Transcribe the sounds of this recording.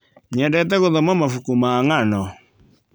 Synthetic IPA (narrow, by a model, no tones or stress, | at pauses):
ɲɛdɛtɛɣoðɔmamafukumaːŋanɔ